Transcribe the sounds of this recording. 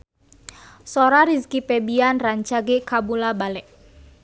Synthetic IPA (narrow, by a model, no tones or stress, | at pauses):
soɾaɾiskipebianraɲt͡ʃaɡekabulabalɛʔ